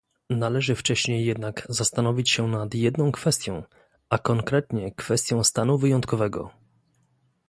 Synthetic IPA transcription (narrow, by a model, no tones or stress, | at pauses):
nalɛʐɘft͡ʂɛɕɲejːɛd̪naɡzast̪anɔvʲit͡ɕɕɛnat̪jɛd̪nɔ̃w̃kfɛst̪ʲjɔ̰̃w̃ | akɔŋkɾɛt̪ɲɛkfɛst̪ʲjɔ̃w̃st̪anuvɘjɔnt̪kɔvɛɡɔ̰